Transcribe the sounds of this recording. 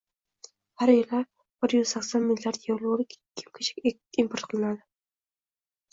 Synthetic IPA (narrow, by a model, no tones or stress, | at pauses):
haɾjɪlaɾ | b̥ɪɾjyz̥sakʲsɔnmilʲːijaɾd̪jewlˠʊɾɪkʲʰkʲʰɪmkʲʰe̥t͡ʃʰɪ̥kʲ | impʰoɾt̪qʰɨlˠɪnad̪ɪ